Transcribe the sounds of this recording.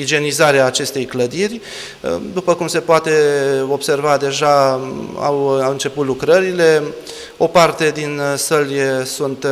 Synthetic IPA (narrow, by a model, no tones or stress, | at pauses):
id͡ʒe̞nizaɾeaːt͡ʃe̞st̪e̞jkləd̪irʲ | d̪upəkumse̞poat̪e̞o̞bse̞rvad̪e̞ʒa | a̰wawɨnt͡ʃe̞put̪lukɾəɾile̞ | o̞part̪e̞d̪insəlʲsunt̪